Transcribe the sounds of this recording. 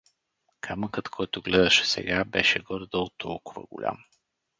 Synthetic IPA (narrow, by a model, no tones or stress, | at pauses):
kʰaməkət̪kʰɔjt̪ʊɡlɛd̪əʃɛ̥sɛ̰ɡabɛʃɛɡɔɾd̪ɔlˠt̪ʰɔlˠkʊvə̰ɡʊ̰lʲa̰m